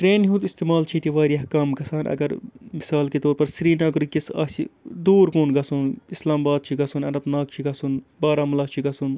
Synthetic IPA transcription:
ʈɾeːnɦũt̪ist̪eːmaːlt͡ʃʰit̪iʋaːɾiɐhkaːmkɐsaːnʔɐ̰ɡɐɾmisaːlket̪oːɾpɐɾsiɾiːnaːɡɾikisɐ̰ːsḭd̪uːɾkoːnɡɐsunislaːmbaːd̪̚t͡ʃʰiɡɐsunɐnɐb̪naːk̚t͡ʃʰiɡɐsunbaːɾaːmɐlaːt͡ʃʰiɡɐsun

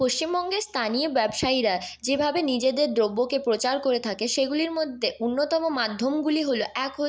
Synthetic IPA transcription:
poʃt͡ɕimbɔŋɡeɾst̪ʰaniobɛbʃaiɾad͡ʑebʱabenid͡ʑed̪eɾd̪ɾobːokepɾot͡ɕaɾkoɾet̪ʰakeʃeɡuliɾmod̪ʱːeunːot̪ɔmomad̪ʱːomɡuliɦoloʔɛkɦo

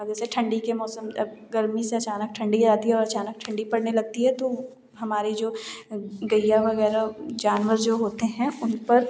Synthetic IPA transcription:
d͡ʒɛːseʈʰɐ̃ɳɖikemɔːsəmɐɡɐɾmiseɐt͡ʃaːnək̚ʈʰɐ̃ɳɖid͡ʒaːt̪iɦɛɔːɾɐt͡ʃaːnək̚ʈʰɐ̃ɳɖipɐɽnelɐɡ̚t̪iɦɛt̪o | ɦɐmaːɾid͡ʒoː | ɡɐjjaʋɐɣɛːɾad͡ʒaːnʋəɾd͡ʒoːɦoːt̪eɦɛ̃ʊnpɐɾ

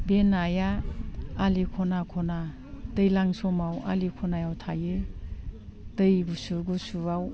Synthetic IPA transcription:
benajaː | likʰɔnakʰɔna | dɯjlaŋsɔmawa̰likʰɔnajawtʰajɯ | d̥ɯjɡusuɡusuaw

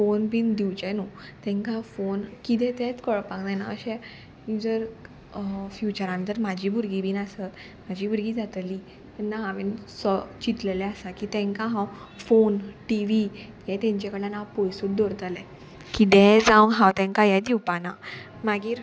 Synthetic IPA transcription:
fonbiːnd̪iwt͡ɕɛ̃nut̪ɛ̃ŋkãfonkit̪ɛ̃t̪ɛ̃t͡skəɭəpaɡd̪ana̰ə̰ɕɛ̃ | jud͡zəɾ | fjut͡ɕəɾant̪əɾmad͡ʑʱiːbuɾɡibiːnasət̪ | mad͡ʑʱiːbuɾɡiːd͡zʱat̪li | t̪ɛnːaɦaʋinsət͡ɕit̪lɛlɛasakiːt̪ɛ̃ŋkãɦãw | fonʈiʋi | jɛt̪ɛ̃ɲt͡ɕɛkəɽanapojsuːʈd̪ɔɾt̪əlɛ | kid̪ɛ̃d͡zãwɦãwt̪ɛ̃ŋkajad̪iwpana | maɡiːɾ

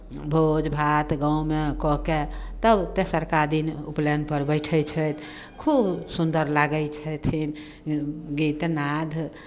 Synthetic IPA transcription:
bʱod͡ʒbʱat̪ɡãũmekɔket̪əbt̪esəɾkad̪inuplenpəɾbəɪʈʰəjt͡ʃʰəjt̪ | kʰubsund̪əɾlaɡəjt͡ʃʰət̪ʰin | ɡit̪nad̪ʱ

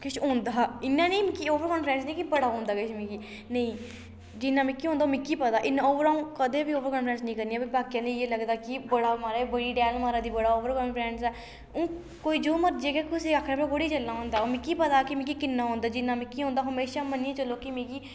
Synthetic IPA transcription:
kɪʃõːnd̪aːɪnːãːnĩːmĩkiːoːʋəɾkɔːnpɾɛ̃ːnsnəĩːkibəɽaːɦõːnd̪aːkɪʃmẽːkiː | nəĩː | d͡ʒɪnːãːmẽːkiɦõːnd̪aːoːmẽːkiːpət̪aːʔɪnːaoːʋəɾaːũːkəd̪eːbiːoːʋəɾkɔ̃ːnpɾɛ̃ːnsnəĩːkəɾniːaːbibaːkijãːnẽeːləɡd̪aːkibəɽaːmaːɾaːɛbəɽiːɖɛːlmaːɾaːd̪iːbəɽaːoːʋəɾkɔ̃ːnpɾɛ̃ːɳsɛː | õː | koːiːd͡ʒoːməɾd͡ʒeːɡɛːkʊsiːaːkʰːɾaːpẽkəɽiːd͡ʒəlːaːɦõːnd̪aːoːmẽːkiːpət̪aːkimẽːkiːkɪnːãːɦõːnd̪aːd͡ʒɪnːãːmẽːkiːɦõːnd̪aːɦəmeːʃaːmənijẽːt͡ʃəlːoːkimẽːkiː

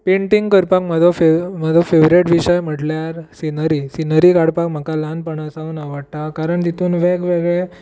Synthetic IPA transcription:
peɳʈiŋɡkəɾpakməd̪ʱofeməd̪ʱofeʋɾeʈʋiɕəjm̤əʈljaɾsinəɾiːsinəɾiːkaɽpakm̤əkalanpəɳasaunaʋəɽt̪akaɾəɳt̪it̪ʰuːnʋekʋeɡɭe

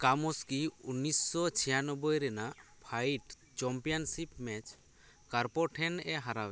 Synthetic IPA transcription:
kamɔskiunisːɔt͡ʃʰɛjanɔbɔjɾɛnaʔpʰajʈ | t͡ʃɔmpijansipmɛt͡ʃʰ | kaɾpɔʈʰɛnɛɦaɾawɛ

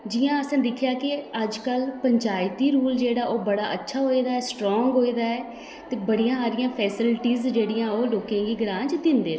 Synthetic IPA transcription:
d͡ʒɪjãːəsãːd̪ɪkʰjaːkɪəd͡ʒkəlpəɲt͡ʃaːɪt̪iːɾuːld͡ʒeːɽaːʔoːbəɽaːʔətːʃʰaːɦoːiːd̪aːɛːsʈɾɔːŋɡɦoːiːd̪aːɛː | t̪eːbəɽijãːɦaːɾɪjãːpʰɛːsɪlʈiːzd͡ʒeːɽɪjãːoːloːkãːɡiːɡɾãːd͡ʒd̪ɪnd̪eː

